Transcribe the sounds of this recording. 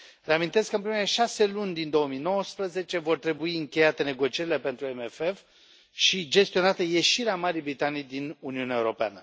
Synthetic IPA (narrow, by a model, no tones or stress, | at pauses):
reamint̪e̞skəɨmpɾimeɾeʃase̞lunʲd̪ind̪o̞womino̞wəspɾəze̞t͡ʃe̞vo̞rt̪ɾe̞buiɨŋkʲe̞jat̪ene̞ɡo̞t͡ʃie̞ɾile̞pe̞nt̪ɾuemefef | ʃid͡ʒe̞st̪io̞nat̪əje̞ʃiɾeamaɾijbɾit̪anijd̪inuniuneaeuɾo̞pea̰nə